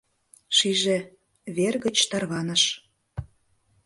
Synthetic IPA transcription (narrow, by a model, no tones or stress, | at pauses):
ʃiʒe | βerɣə̆t͡ɕt̪ɑrβɑnəʃ